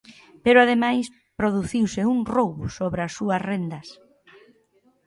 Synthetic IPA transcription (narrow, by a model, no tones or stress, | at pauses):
peɾʊaðemajs | pɾoðuθiwsɪuŋrowβʊsoβɾɐsːuɐsrend̪ɐs